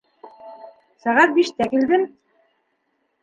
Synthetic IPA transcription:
sæʁæt̪̚biʃt̪ækild̪ɘm

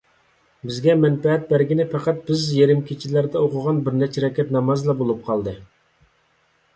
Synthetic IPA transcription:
bɪzɡʲɛmɛnpɛɦɛt̪̚bæɾɡʲinɪpʰæqæt̪̚bɪzjeɾɪmkʲʰit͡ʃʰilæɾd̪ɛoqʰʊʁɑnbɪɾnɛt͡ʃʰɛɾɛkʲʰɛt̪nɑmɑzlˠɑbolˠup̚qʰɑlˠd̪ɨ

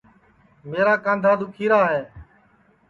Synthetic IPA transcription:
meːɾaːkãːnd̪ʱaːd̪ʊkʰiːɾaːɦeː

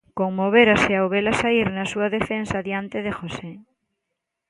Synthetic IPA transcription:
koŋmoβ̞eɾasɪawβelasaiɾnɐsuɐðefensaðjant̪eðexose

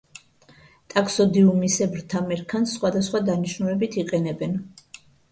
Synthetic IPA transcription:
t̪ʼakʰsɔd̪iumisɛbɾt̪ʰamɛɾkʰansχwad̪asχwad̪aniʃnulɛbit̪ʰiqʼɛnɛbɛn

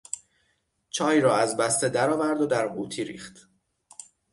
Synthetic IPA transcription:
t͡ʃʰɒːjɾɒːæzbæst̪ed̪æɾɒːvæɾd̪od̪æɾuːt̪ʰiɾḭːχt̪

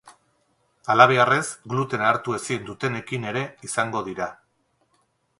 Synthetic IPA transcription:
alaβ̞e̞are̞zɡlut̪e̞naːɾt̪ue̞sind̪ut̪e̞ne̞kine̞ɾe̞isaŋɡo̞ðiɾa

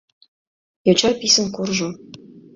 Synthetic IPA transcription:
jɤ̆wt͡ɕɑpʲisə̆nkurʒu

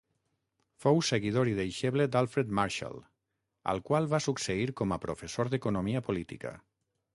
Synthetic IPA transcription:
fowseɣiðoɾiðejʃeβled̪alˠfɾed̪maɾʃa̰lˠ | ə̰lˠkwalˠβasukseiɾkɔmapɾofesoɾðekunomiəpolit̪ḭkə̰

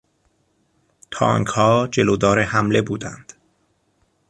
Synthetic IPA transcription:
t̪ʰɒ̰ːŋkhɒːd͡ʒe̞loːd̪ɒːɾehæmle̞buːd̪æ̰nd̪̥

